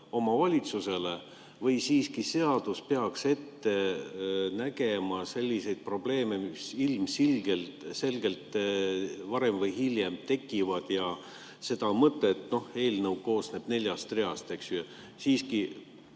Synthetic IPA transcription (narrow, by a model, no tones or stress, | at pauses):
o̞mɑvɑlʲit̪suse̞le̞ | vɤjsiːskise̞ɑd̪̥uspe̞ɑkse̞t̪ːe̞ | næke̞mɑse̞lʲːise̞jd̪̥̚pro̞b̥le̞ːme̞misilmsilɡelt̪se̞lɡ̥e̞lt̪ˑ | vɑɾe̞mvɤjɦiljemt̪e̞kːˑivɑd̪̥jɑ | se̞d̪ɑmɤt̪ːˑeːt̪no̞he̞ːlnəwko̞ːsne̞b̥ne̞lʲjɑst̪re̞ɑst̪e̞ksyø | siːski